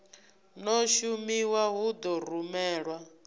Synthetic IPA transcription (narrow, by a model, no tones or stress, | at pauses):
nɔʃumiwaɦud̪ɔr̤umɛːɺwa